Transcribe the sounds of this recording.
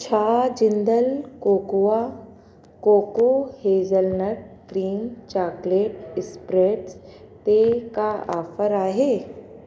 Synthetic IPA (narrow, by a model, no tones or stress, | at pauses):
t͡ʃʰaːd͡ʒɪ̃nd̪əlkoːkua | koːkoheːzəlnəɾ̚ɡɾiːŋt͡ʃaːkleːʈɪspɾeːʈs | t̪ekaaːfəɾaːɦeː